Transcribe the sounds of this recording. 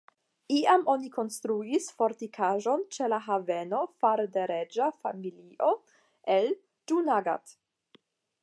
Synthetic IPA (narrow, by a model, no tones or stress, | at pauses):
iamʔonikʰo̞nstɾuisfoɾt̪ikʰaʒo̞nt͡ʃelaɦaveno̞faɾdeɾed͡ʒafa̰miliʔo | ʔel | d͡ʒunaɡa̰t̪